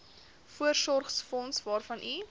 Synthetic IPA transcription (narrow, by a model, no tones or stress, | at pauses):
fuərsɔrχsfɔnsvɑːrfɐnʔi